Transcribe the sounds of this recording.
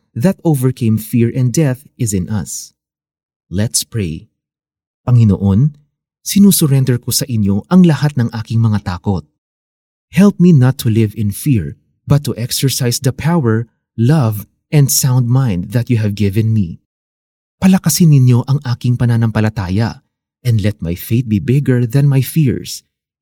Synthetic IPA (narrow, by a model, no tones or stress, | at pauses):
ðɐt̪̚ovɛɹkʰẽjmfiɹʔɛ̃nd̪ɛθ | ɪzɪ̃nʔɐ̰s | lɛt̪spɹej | pɐŋɪno̰ʔon | sɪnuːsʊɾɛnd̪ɛɹkosɐʔɪnjo̞ʔɐŋlɐhat̪̚nɐŋʔaːkɪŋmɐŋat̪aːkot̪̚ | hɛlp̚minɐt̪ʰːʊlɪvɪ̃nfiɹ | bɐt̪ːuʔɛksɛɹsajsd̪ɐpʰawɛɹ | lɐv | ɛ̃nd̪sãwnd̪̚mãjnd̪ðɐt̪juɦɛvɡɪvɛ̃nmi | pɐlɐkɐsɪnːɪnjo̞ʔɐŋʔaːkɪŋpɐnanɐmpɐlɐt̪aːjɐ̰ | ʔɛ̃nd̪lɛt̪̚majfejt̪̚bibɪɡəɹðɐ̃nmajfiɹs